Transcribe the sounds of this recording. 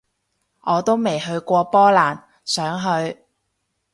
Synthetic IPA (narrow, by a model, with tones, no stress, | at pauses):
ʔɔː˨˧t̪o˥wme˨˩jɦɵ˧ɥkʷɔː˧pɔː˥laː˨˩n | sœː˨˥ŋɦɵ˧ɥ